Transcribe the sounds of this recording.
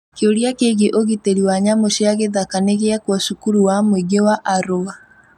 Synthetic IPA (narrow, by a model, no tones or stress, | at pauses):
keoɾiakeɣeʔoɣiteɾiwaɲamoʃeaɣeðakaneɣeakwɔʃukuɾuwamwiɡewaʔaɾoa